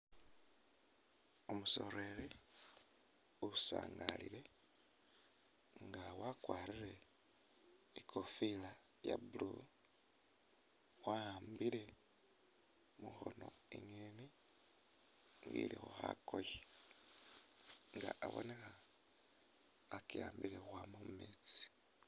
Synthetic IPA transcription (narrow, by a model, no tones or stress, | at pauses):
omuso̞ɾe̞ɾe | usaːŋɡalile̞ | ŋɡawakwaːɾiɾe̞ | ikʰofila | jabulu | waambile̞ | muxo̞no̞iŋeni | ŋɡḭlixoxakoje | ŋɡaʔaβo̞̰ne̞xa | kiaːmbilexwamummet͡si̥